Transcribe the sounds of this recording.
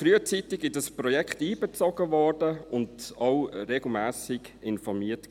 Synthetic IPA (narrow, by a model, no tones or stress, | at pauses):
fɾyət͡sitɪɡɪdəsprɔjɛkχtiːbet͡sɔɡ̥əʋɔɹdəʊndaʊɾeɡl̩mæːsɪɡɪnfɔmiːət